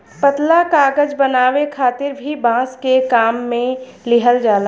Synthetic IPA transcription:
pət̪lakaːɡəd͡ʒbənaːwekʰaːt̪ɪɾbʱibãːskekaːmːẽ | lɪɦəld͡ʒaːla

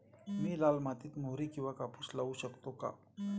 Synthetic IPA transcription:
miːlaːlmat̪it̪moɦɾikiʋakapuslauɕəkt̪oka̰

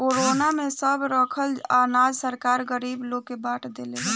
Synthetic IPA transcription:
koɾonamesəbɾəkʰəlanad͡ʒsəɾkaɾɡəɾibloɡ̚kːebaʈʰd̪eleɦɛ

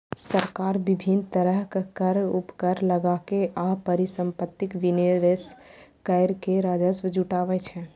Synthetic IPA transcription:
səɾkaɾbibʱint̪əɾəɦkkəɾupkəɾləɡakeʔapəɾisəmpət̪ːikʋineɾeskəɪɾkeɾad͡ʒəswəd͡ʒuʈabɛt͡ʃʰɛ

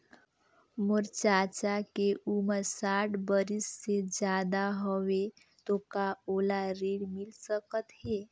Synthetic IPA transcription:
məɾt͡ʃat͡ʃakeʔuməɾsaʈʰbəɾisːed͡ʒjaːd̪aɦəʋe | t̪okaolaɾeɽmilsəkət̪ɦe

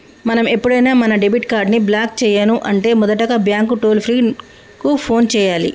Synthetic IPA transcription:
mɐnɐme̞pːuɽɐjnaːmɐnɐɖebiʈkaːɾɖniblaːk̚t͡ʃɛːjaːnuʔɐɳʈe̞ːmɔd̪ɐʈɐɡaːbjaːŋkuʈoːlpʰɾiː | kupʰo̞ːnt͡ʃɛːjaːlḭ

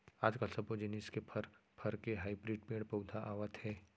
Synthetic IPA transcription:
aːd͡ʒkɐlsɐbod͡ʒɪniskepʰɐɾpʰɐɾkeɦaːibɾiːɖ̚peːɽpɐwd̪ʱaʔaːʋət̪ɦɛː

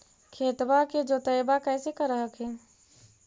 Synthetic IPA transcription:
kʰeːt̪baked͡ʒot̪əjbakɛɪsekəɾəɦəkɦɛː

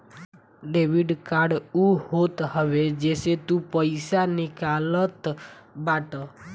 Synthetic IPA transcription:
ɖeʋiɖkaɾɖuhot̪həʋed͡ʒeset̪ũpəjsanikalət̪baʈə

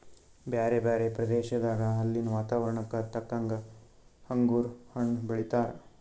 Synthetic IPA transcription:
baːɾebaːɾepɾɐd̪eːʃɐd̪aːɡɐɦɐlːinɐʋaːt̪aːʋɐɾɐɳɐkːɐt̪ɐkːɐŋɡɐ | hɐŋɡuːɾhɐɳbɐɭit̪aːɾe

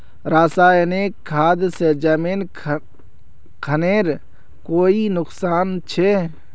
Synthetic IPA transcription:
ɾaːsaːeneːkʰːaːd̪sed͡ʒameːn | kʰəneːɾ | koːinʊksaːnt͡ʃʰe

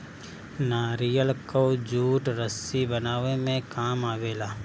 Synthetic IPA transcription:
naːɾijəlkod͡ʒuːʈɾəsibənaːʋemẽkaːmaːʋeːlaː

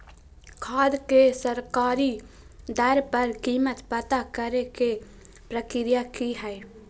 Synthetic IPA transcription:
kʰaːd̪kesəɾkaːɾi | d̪əɾpəɾkiːmət̪pət̪akəɾeke | pɾəkɪɾijakiɦɛe

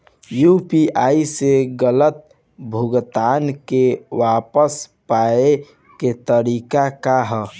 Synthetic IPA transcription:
jupiaiseɡələt̪̚ | bʱuɡt̪ankewapəspae | ket̪əɾikakaɦə

